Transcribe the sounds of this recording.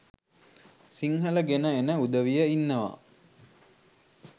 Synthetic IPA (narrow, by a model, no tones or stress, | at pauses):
siŋɦələɡenəenəud̪əʋijəinːəʋa̰